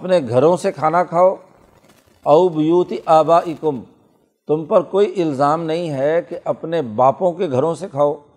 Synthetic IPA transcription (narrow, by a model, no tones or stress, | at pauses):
ɐpneɡʱɐɾõsekʰaːnakʰaːoː | ɐubɪjuːt̪iʔaːbaːʔɪkʊm | t̪ʊmpɐɾkoːiʔɪlzaːmnɐɦĩɦɛkeʔɐpnebaːpõkeɡʱɐɾõsekʰaːoː